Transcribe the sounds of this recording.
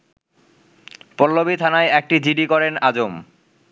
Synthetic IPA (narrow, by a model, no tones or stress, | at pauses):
pɔlːobit̪ʰanaeɛk̚ʈid͡ʑiɖikɔɾenad͡ʑom